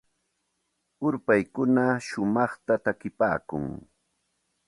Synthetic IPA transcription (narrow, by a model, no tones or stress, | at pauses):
ʊɾpajkʊnaʃʊmɑχt̪at̪akɪpa̰ːkʊ̰ŋ